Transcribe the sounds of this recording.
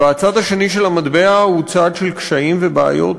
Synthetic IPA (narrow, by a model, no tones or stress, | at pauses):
at͡sad̪aʃe̞niʃe̞lamad̪be̞ahut͡sad̪ʃe̞lkʃaimvebea̰jo̞̰t